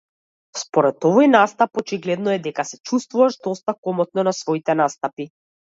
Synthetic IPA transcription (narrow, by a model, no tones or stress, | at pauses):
spɔɾɛt̪ɔvɔjnast̪apɔt͡ʃiɡlɛd̪nɔɛd̪ɛkasɛt͡ʃust̪vuvaʃd̪ɔst̪akɔmɔt̪̚nɔnasvɔit̪ɛnast̪api